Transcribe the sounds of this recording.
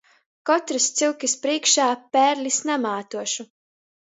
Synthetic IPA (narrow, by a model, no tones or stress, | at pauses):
kɔt̪ɾist̪siwkʲispɾiɛkʃaːpæːɾlʲisnamaːt̪uɔʃu